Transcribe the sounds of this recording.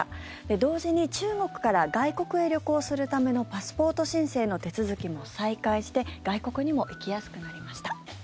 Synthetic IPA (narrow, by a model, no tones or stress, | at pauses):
d̪̥e̞d̪o̞ːʑiɲ̟it͡ɕɨːŋo̞kɯ̟̥kaɾaɡaiko̞kɯ̟e̞ɾʲjo̞koːsɨɾɯ̟t̪ame̞no̞pasɨ̥po̞ːt̪o̞ɕĩɰ̃se̞ːno̞t̪e̞t͡sɨzɨkʲimo̞saikaiɕi̥t̪e̞ɡ̥aiko̞kɯ̟ɲ̟imo̞ʔikʲijasɨ̥kɯ̟naɾʲimaɕi̥t̪ḁ